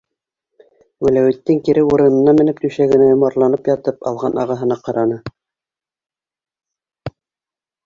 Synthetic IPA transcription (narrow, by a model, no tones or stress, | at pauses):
wɘ̆læwɘ̆t̪ːɘŋkiɾɘuɾɤ̆nɤ̆nːɑmɘ̆nɘp̚t̪ʉʃæɡɘ̆næjŏmɑɾlˠɑnɤpjɑt̪ɤpɑ̰lˠʁɑnɑʁɑɦɤ̆nɑqɑɾɑnɤ